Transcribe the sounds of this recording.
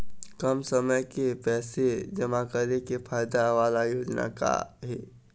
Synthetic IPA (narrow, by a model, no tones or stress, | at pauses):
kɐmsəməjkepɛːsed͡ʒɐmakəɾekefʰaːjd̪aʋaːlajoːd͡ʒna̰ka̰ɦɛː